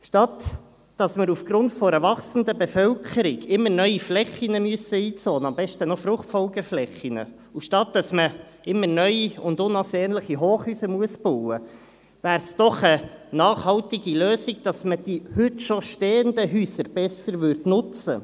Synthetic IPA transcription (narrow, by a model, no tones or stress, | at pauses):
ʃtɑt | d̥ɑsməɾufɡ̥ɾʊntfɔɾəvɑχsən̩dəbefœwkʰəɾɪɡɪmːəɾnœʏiflɛχinəmyəsəiːt͡soːnəɑmbɛʃtənɔfɾʊχtfɔlɡɛflɛχinə̰ | uʃtɑt̚dɑsmə | ɪmːəɾnœʏiʊndʊnɑsɛːnləχiɦoːχhyːsəmuəsb̥ɔwə | væːɾsd̥ɔχənɑːχhɑltiɡiløːsiɡ̚d̥ɑsməd̥ihʏtʃoʃteːəndəɦyːsəɾb̥ɛsəɾvʏrdnʊt͡sə